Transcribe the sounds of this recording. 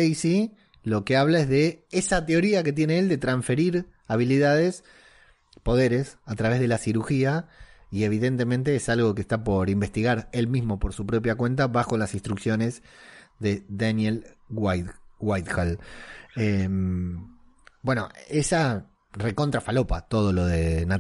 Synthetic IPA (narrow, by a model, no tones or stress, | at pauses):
jsi | lo̞ke̞aβlaezðe̞esat̪eo̞ɾiake̞t̪̬jeneeld̪e̞t̪ɾaɱfe̞ɾiɾ | aβ̞iliðað̞e̞s | po̞ð̞e̞ɾe̞sat̪ɾaβezð̞e̞lasiɾuxiaie̞β̞iðe̞nt̪e̞mẽ̞nt̪e̞esalɣo̞k̬est̪apo̞ɾimbe̞st̪iɣaɾe̞lmizmo̞po̞ɾsupɾo̞p̬jakwe̞nt̪̬aβaxo̞lasĩnst̪ɾuksjo̞ne̞zðe̞ðanjelawajt̪xal | em | bwe̞no̰esa | re̞ko̞nt̪ɾafalo̞pat̪o̞ð̞o̞lo̞ð̞e̞na